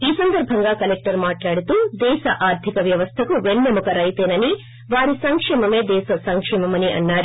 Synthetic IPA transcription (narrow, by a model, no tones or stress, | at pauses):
iːsɐnd̪ɐɾbʱɐŋɡaːkɐlek̚ʈɐɾmaːʈlaːɽut̪uːd̪ɛːʃɐʔaːɾd̪ʱikɐʋjɐʋɐst̪ʰɐkuʋeɳːemukɐɾɐjt̪eːnɐni | ʋaːɾisɐŋkʂɛːmɐme̞ːd̪ɛːʃɐsɐŋkʂɛːmɐmɐniʔɐ̰nːaːɾu